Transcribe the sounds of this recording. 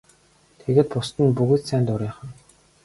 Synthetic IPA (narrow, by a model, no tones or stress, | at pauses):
t̪ʰeɣeːt̪̚pʊst̪ɘ̆npuɣɘ̆t̪sæːnt̪ʊɾʲiːχə̆n